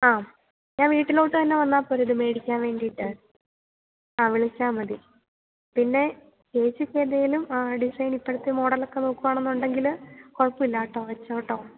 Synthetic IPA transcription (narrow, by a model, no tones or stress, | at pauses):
aː | ɲãːnʋiːʈːilo̞ːʈːɨt̪ɐnːe̞ʋɐnːaːpːoːɾiðɨme̞ːɽikʲːaːnʋe̞ːɳɖijʈːɨ | aːʋiɭit͡ɕːaːmɐði | pinːe̞ | keːt͡ɕːɨkːeːðejilumaɖisɐjnipːɐɽɐt̪ːemo̞ːɽɐlokːenoːkːuʋaːɳenːuɳɖe̞ŋɡilko̞ɭpuilːaːʈːo̞ːʋɐt͡ɕːɐːʈːo̞ː